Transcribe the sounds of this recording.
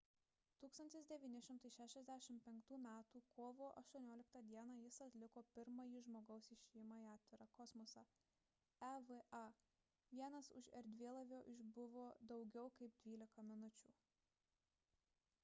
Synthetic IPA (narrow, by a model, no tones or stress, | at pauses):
t̪uːkst̪ɐnʲt̪ʲɪsd̪ʲɛʋʲiːnʲɪʃʲɪmt̪ɐɪʃʲæːʃʲɛzʲd̪ʲæʃʲɪmpʲɛŋkt̪uːmʲæːt̪uːkoːʋoːʔɐ̰ʃt̪uɔnʲoːlʲɪkt̪ɐd̪ʲiɛnɑːjɪsɐt̪ʲlʲɪkoːpʲɪɾmɐjiːʒmoːɡɐʊsɪʃʲeɪmɐiɑːt̪ʲʋʲɪɾɐkɔsmɔsɑ | ɛʋʔɐ | ʋʲiɛnɐsʊ̰ʃɛɾʲd̪ʲʋʲiɛlˠɐʋʲoːʔɪʒbʊʋoːd̪ɒʊɡʲɛʊkɐɪpd̪ʲʋʲiːlʲɪkɐmʲɪnʊt͡ʃʲṵː